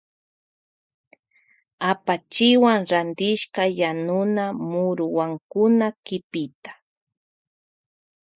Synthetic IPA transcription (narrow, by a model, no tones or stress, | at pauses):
apat͡ʃɪwaŋɾand̪ɪʃkajanʊnamʊɾʊwaŋkʊnakɪpɪt̪ḁ